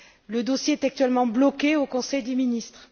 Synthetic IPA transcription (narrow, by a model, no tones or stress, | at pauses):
ləd̪osjeɛt̪ak̚t̪yɥɛlmɑ̃blɔkeokɔ̃sɛjd̪eminist̪χ